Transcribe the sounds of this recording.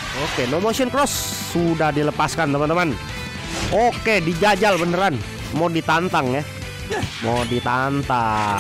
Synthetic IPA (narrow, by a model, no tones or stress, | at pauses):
okenomosʊnkɾɔsː | udahdiləpaskant̪əmant̪əman | okedid͡ʒad͡ʒalbənəɾan | modit̪ant̪aŋja | modit̪ant̪a